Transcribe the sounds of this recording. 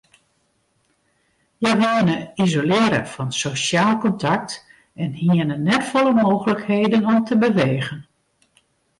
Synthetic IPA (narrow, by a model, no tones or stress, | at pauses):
jəʋinəizolɪːɾə̰vɑnsosjaːlˠkɔntɑk̚t | ɛnhiənənɛtfɔləmoːɣələkhejdənɔmtəbəʋeːɣən